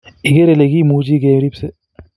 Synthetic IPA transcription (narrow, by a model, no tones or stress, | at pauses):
ɪɡeɾeleɡimuːd͡ʒiɡeːmɾiːpse